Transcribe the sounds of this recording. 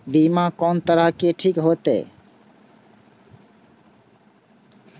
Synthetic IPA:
bimãkɔːnt̪əɾəɦkeʈʰiːkɦoːt̪ḛː

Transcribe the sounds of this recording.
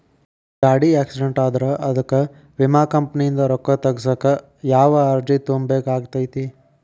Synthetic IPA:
ɡaːɽiaːksiɖeɳʈaːd̪ɐɾɐʔɐd̪ɐkːɐ | ʋimaːkɐmpɐnijind̪ɐɾɔkːɐt̪ɐɡsɐkːɐ | jaːʋɐːɾd͡ʒit̪ombeːkaːɡt̪ɐjt̪i

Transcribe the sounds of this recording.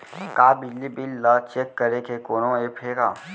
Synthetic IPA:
kaːbɪd͡ʒlibɪlːat͡ʃekːəɾekʰekoːnõepʰeːɡaː

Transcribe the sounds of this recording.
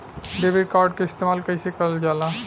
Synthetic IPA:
ɖebiɖkaɾɖ̚keist̪emalkəɾisekəɾld͡ʒala

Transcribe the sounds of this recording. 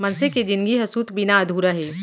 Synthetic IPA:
mɐnseked͡ʒɪ̃nɡiɦɐsuːt̪bɪnaɐd̪ʱuːɾaɦɛː

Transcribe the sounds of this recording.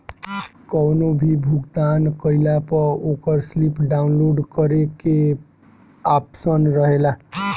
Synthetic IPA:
kɔwnobʱibʱuɡt̪ankəɪlapəokəɾslipɖaʊnloɖkəɾeke | apsənɾəɦela

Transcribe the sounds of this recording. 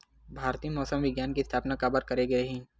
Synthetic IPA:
bʱaːɾt̪iːmɔːsəmʋɪɡjaːnkiɪst̪ʰaːpnakabəɾkɐɾeɡeɾɐɦĩ

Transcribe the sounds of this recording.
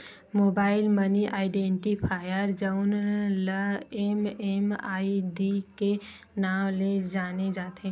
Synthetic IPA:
moːbaːɪlməniʔaːɪɖẽɳʈipʰaːjəɾd͡ʒəʊnləememaːiɖike | naːmled͡ʒaːned͡ʒaːt̪ʰe

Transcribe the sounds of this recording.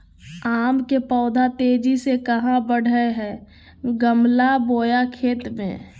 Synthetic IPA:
aːmkepɔːd̪ʱat̪eːd͡ʒisekɐɦãbəɽ̤əeɦɛː | ɡəmlaboːjakʰeːt̪mḛ̃

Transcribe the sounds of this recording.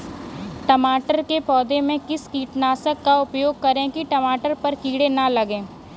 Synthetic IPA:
ʈɐmaːʈəɾkepɔːd̪emẽkɪskiːʈnaːsəkːaʊpjoːɡ̚kɐɾẽkiʈɐmaːʈəɾpɐɾkiːɽenɐlɐɡẽː

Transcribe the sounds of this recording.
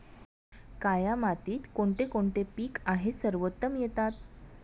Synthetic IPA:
kajamat̪iːt̪koɳʈ̪ekoɳʈepiːkaɦesəɾʋət̪ːəmjet̪at̪

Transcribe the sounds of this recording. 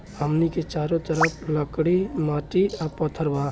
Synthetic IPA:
əmniket͡ʃaːɾot̪əɾəpʰləkɽimaːʈiapɔt̪ʰːəɾbaː

